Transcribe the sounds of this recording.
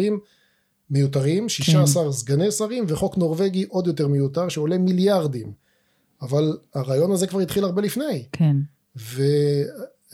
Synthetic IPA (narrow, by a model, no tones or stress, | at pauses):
imː | ejutaʁimʃiʃaːsaʁzɡanesaʁimveχo̞kno̞ʁve̞ɡiʔo̞d̪jo̞t̪eʁmejut̪aʁʃeo̞le̞miljaʁd̪im | avalaʁaːjo̞nazekvaʁit̪χilaʁbelifnajkʰ | ve